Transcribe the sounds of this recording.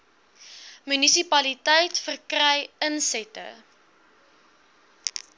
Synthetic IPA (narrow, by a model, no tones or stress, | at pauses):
mynisipɐlitəjtfərkrɛjənsɛtə̰